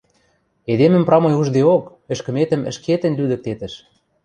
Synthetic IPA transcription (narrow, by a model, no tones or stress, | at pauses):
ed̪emə̆mprɑmɤjuʒd̪eok | ɘ̆ʃkɘ̆met̪ə̆mə̆ʃket̪ə̆nʲlyd̪ə̆k̚t̪et̪ə̆ʃ